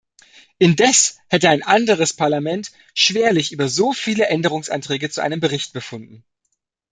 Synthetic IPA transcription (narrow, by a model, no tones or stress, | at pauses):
ʔɪndɛshɛtəaɪnʔandəʁ̞əspʰaɐlamɛnt | ʃv̥eːɐlɪçʔyːbɐzoːfiːləʔɛndəʁ̞ʊŋsʔa̰ntʁ̥ɛːɡət͡suʔaɪnəmbəʁɪçt̚b̥əfʊndn̩